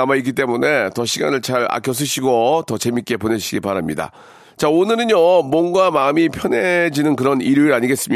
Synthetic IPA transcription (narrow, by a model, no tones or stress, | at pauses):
amaik̬͈it͈e̞mune̞tʌɕʰiɡa̰nɯɭt͡ɕaɾa̰kʰjʌs̬͈ɯɕʰiɡotʌt͡ɕe̞mik͈e̞pone̞ɕʰiɡipaɾamɲida̰ | t͡ɕaonɯɾɯnjʌmwʌnɡamaɯmipʰjʌne̞d͡ʑinɯnkɯɾʌniɾjuiɾaɲiɡe̞s͈ɯmi